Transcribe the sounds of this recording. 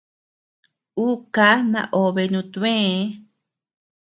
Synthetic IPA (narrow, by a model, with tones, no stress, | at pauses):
u˦ka˧˦nã̰˧ʔo˨βe˧nũ˧t̪ẽ˦